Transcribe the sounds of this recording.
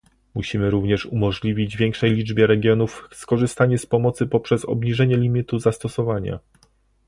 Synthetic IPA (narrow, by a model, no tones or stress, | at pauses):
muɕimɘɾuvɲɛʂumɔʐlʲivʲid͡ʑvʲjɛŋkʂɛjlʲid͡ʐbʲjɛɾɛɡʲjɔnufskɔʐɘst̪aɲɛspɔmɔt̪sɘpɔpʂɛsɔ̰bɲiʐɛɲɛlʲimʲit̪uzast̪ɔsɔvaɲa̰